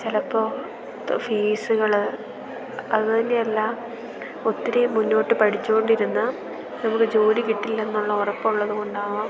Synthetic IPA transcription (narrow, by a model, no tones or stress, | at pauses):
t͡ɕelɐpːo̞ː | fiːsuɣɐɭ | ɐðɨt̪ɐnːe̞jɐlːɐ | ot̪ːiɾejmunːo̞ːʈːɨpɐʈʰit͡ɕːuko̞ɳɖiɾunːɐ | nɐmukːɨd͡ʑo̞ːɾikiʈːilːɐenːuɭːɐurɐpːouɭːɐðuko̞ɳɖaːʋɐ